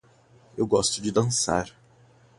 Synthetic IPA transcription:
ewɡɔst̪ʊd͡ʒɪd̪ɐ̃sa̰ɾ

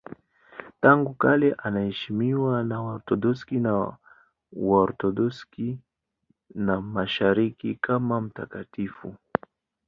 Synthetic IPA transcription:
taŋɡukalɛʔanahɛʃimiwanaɔɾtɔɗɔskina | wɔɾtɔdɔski | namaʃaɾikikʰamam̩takatifṵ

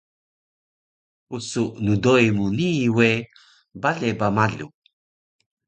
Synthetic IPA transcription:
usuʔnudojmuniwe | baɮebamaɮṵ

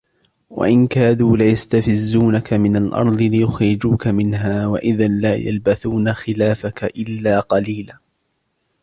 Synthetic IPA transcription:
wa̰ʔɪnkaːðuːlɪjast̪afɪzːuːnakamɪnalʔɑ̰ɾˤd̪ˤɨlɪjʊxɾɪd͡ʒuːkamɪnɦaːwa̰ʔɪðanlaːja̰lbaθuːnaxɪlaːfakaʔɪlːaːqɑliːlaː

